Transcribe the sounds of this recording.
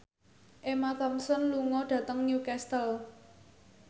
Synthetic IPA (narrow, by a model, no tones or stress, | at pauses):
ʔemat̪ɔmsɔnluŋɔɖ̥ä̤t̪əŋnjukɛst̪əl